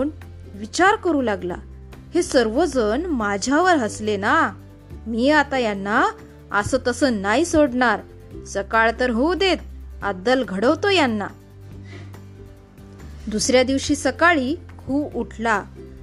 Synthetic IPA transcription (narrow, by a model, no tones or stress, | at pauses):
n | ʋit͡ɕaɾkəɾuːlaɡla̰ | hesəɾʋod͡zənmad͡ʑʱjaʋəɾɦəslena | miːat̪ajanːa | ə̰səːt̪əsənaisoɽɳaɾ | səkaɭt̪əɾɦod̪et̪̚a̰d̪əlɡʱəɽəʋt̪ojanːa̰ | d̪usɾjad̪iʋɕiːsəkaɭiːkʰuːbuʈʰla